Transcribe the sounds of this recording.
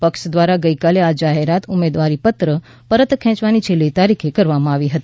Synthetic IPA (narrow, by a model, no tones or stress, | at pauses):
pəkʃd̪ʋaɾaɡəikalead͡ʒaɦeɾat̪ʊmed̪ʋaɾipət̪ɾə | pəɾət̪kʰɛ̃t͡ʃʋanit͡ʃʰelːit̪aɾikʰekəɾʋamãaʋiɦət̪i̥